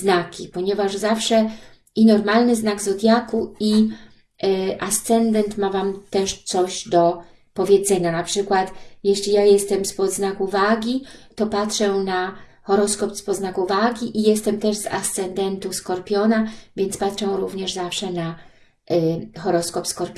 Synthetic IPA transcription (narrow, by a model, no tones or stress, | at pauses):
znakʲipɔɲɛvaʐzafʂɛ | inɔɾmalnɘznaɡzɔd̪ʲjakui | ʔast̪sɛnd̪ɛnt̪mavamt̪ɛʂt̪sɔʑd̪ɔ | pɔvʲjɛd̪zɛɲanapʂɘkwat̪jɛɕlʲijajɛst̪ɛmspɔd̪znakuvaɡʲit̪ɔpatʂɛna | xɔɾɔskɔpspɔznakuvaɡʲiʔijɛst̪ɛmt̪ɛʐza̰st̪sɛnd̪ɛnt̪uskɔɾpʲjɔnavʲjɛnt̪spatʂɛw̃ɾuvɲɛʐzafʂɛna | xɔɾɔskɔpskɔɾpʲ